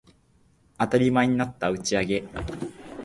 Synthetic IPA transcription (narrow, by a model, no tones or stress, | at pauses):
at̪aɾʲimaeɲ̟inat̪ːaɯ̟t͡ɕiaɡe̞